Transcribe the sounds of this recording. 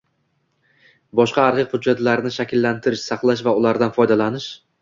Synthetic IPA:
bɒʃqɑːɾʁɨhʊd͡ʒːat̪laɾnɪʃakʲɪlːant̪ʰɪɾɪʃsɑqlˠaʃ̬vaʊlaɾd̪anfɒjd̪alanɪʃ

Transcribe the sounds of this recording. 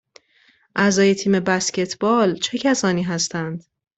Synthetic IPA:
ʔæzɒːje̞t̪ʰiːme̞bæsce̞t̪ʰbɒːlt͡ʃʰe̞cʰæsɒːniːɦæst̪ænd̪̥

